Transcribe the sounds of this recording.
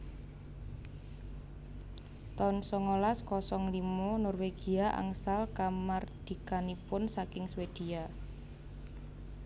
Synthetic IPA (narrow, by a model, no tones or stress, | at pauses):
t̪ɔnsɔŋolaskɔsɔŋlimonɔrweɡ̥iaʔa̰ŋsalkamard̪̥i̤kanipʊnsakɪŋswed̪̥ia